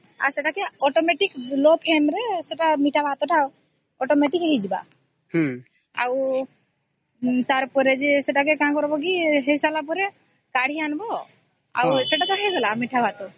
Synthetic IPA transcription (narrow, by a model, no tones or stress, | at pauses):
a̰ɾsɛʈakɛɔʈɔmeʈiklɔpʰenɾɛsɛʈamiʈʰabʱat̪ɔʈa | ɔʈɔmeʈikɦed͡ʒba̰ | h | a̰w | t̪aɾpɔɾɛd͡ʒɛsɛʈakɛkaãkɔɾbɔkiɦejsalap̬ɔɾɛ | kaɽ̤ianbɔ | a̰wsɛʈat̪ɔɦɛɡɔlamiʈʰabʱat̪ɔ